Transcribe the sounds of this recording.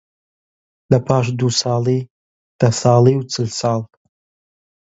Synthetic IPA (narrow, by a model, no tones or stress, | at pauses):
dapʰaʃʷdusaːli | d̥asaːliwt͡sʰɨlsaːltʼ